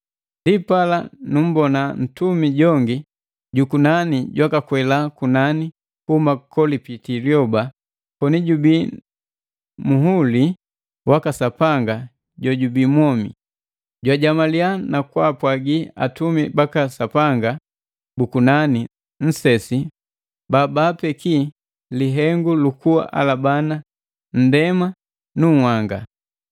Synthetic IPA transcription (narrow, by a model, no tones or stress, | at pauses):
ndipalanum̩bɔnan̩tumiɟɔŋɡi | ɟukunaniɟwakakwɛlakunani | kuhumakɔlipitiljɔba | pɔniɟubi | muɦuli | wakasapaŋɡa | ɟɔɟubimwɔmḭ | ɟwaɟamalianakwapwaɡia̰tumibakasapaŋɡa | bukunani | n̩sɛsi | babapɛki | liɦɛŋɡulukuwa̰ʔa̰labana | n̩dɛma | nuŋ̩waŋɡa